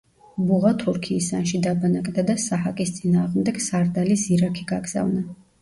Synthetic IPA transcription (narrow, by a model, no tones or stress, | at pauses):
buʁat̪ʰuɾkʰiːsa̰nʃid̪abanakʼd̪ad̪asahakʼist̪sʼinaːʁmd̪ɛɡ̥saɾd̪alisiɾakʰiɡaɡz̥a̰vna